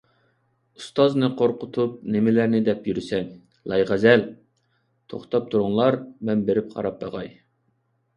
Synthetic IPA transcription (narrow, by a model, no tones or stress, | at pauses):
ust̪ɑznɨqʰoɾqʊt̪ʰup̚nɪmɪlæɾnɪd̪ɛpjyɾɪsɛn | lˠɑjʁæzæl | t̪ʰo̰χt̪ʰɑp̚t̪ʰuɾʊŋlˠɑɾmɛnbeɾɪp̚qʰɑ̰ɾɑp̚bɑʁɑj